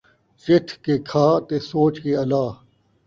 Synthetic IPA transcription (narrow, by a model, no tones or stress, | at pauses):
t͡ʃɪt̪ʰkeːkʰaːt̪eːsoːt͡ʃkeːɐlaː